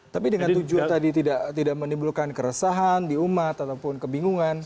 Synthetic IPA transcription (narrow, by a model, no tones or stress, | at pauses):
t̪apidəŋant̪ud͡ʒuat̪adit̪idaʔt̪idaʔmənimbulkankəɾəsaɦandiumat̪at̪awpʊnkəbiŋuŋan